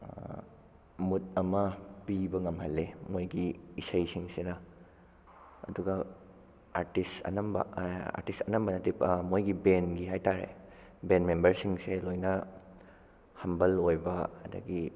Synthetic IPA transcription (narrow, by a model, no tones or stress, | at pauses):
mut̚ɐmɐpibɐŋɐmhɐlːemojɡiːsɐjsiŋsenɐ | ɐduɡɐ | aɾtisɐ̰nɐmbɐ̰a̰ɾtistɐnɐmbɐnɐtipmojɡibenɡiɦajtaɾḛ | benmembɐɾsiŋselojnɐ | hɐmbɐlojbɐɐ̰dɐ̰ɡi